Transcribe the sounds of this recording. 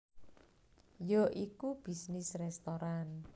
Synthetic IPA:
joʔikub̥i̤snɪsrɛst̪oɾan

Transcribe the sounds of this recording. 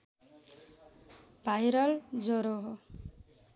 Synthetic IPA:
b̥ʱajɾʌld͡zɔɾoɦ

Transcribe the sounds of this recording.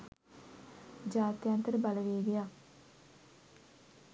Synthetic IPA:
d͡ʒaːt̪jant̪əɾəbaləʋeːɡeja

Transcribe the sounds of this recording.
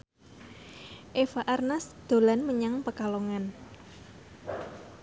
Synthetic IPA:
ʔefaʔarnasd̪̥o̤lanməɲaŋpəkaloŋan

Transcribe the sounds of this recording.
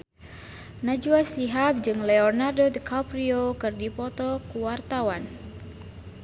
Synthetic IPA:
nad͡ʒuasiɦap̚d͡ʒɨŋlɛɔrnardod̪əkʰapɾiokɨrdipɔt̪ɔkuwart̪awan

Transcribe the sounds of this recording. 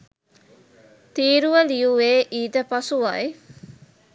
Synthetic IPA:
t̪iːɾuʋəlijuʋeːʔiːd̪əpɐsuʋɐ̰i

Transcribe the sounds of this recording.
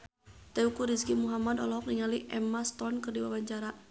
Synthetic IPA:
t̪ɛukuɾiskimuɦamad̪ɔ̰lɔɦɔk̚niŋaliʔɛmast̪ɔnkɨrdiwabaɲt͡ʃaɾa

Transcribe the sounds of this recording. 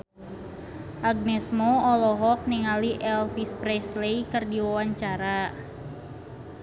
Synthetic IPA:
ʔaɡ̚nɛsmɔɔlɔɦɔk̚niŋaliʔɛlfispɾɛslejkɨrdiwawaɲt͡ʃaɾa

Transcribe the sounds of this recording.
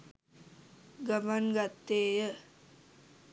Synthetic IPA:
ɡamanɡat̪ːeːjə

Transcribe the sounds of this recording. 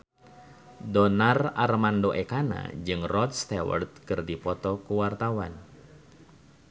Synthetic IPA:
dɔnararmandoʔekana̰d͡ʒɨŋrɔt̪̚st̪ɛwə̰rt̪̚kɨrdipɔt̪ɔkuwart̪awan

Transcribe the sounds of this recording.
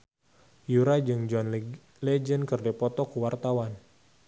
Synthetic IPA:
juɾad͡ʒɨŋd͡ʒuan | lɛd͡ʒənkɨrdɛpɔt̪ɔkuwart̪awan

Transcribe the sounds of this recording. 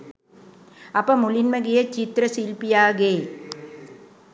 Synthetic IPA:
ɐpɐmulinmɐɡijɐt͡ɕit̪ɾɐsilpijaːɡeː

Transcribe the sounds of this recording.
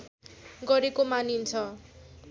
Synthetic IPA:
ɡʌɾekomanint͡sʰʌ

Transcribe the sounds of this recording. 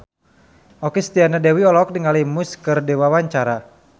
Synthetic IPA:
ʔɔkest̪ianadɛwiɔlɔk̚dəŋalimuskɨrdewawaɲt͡ʃaɾa

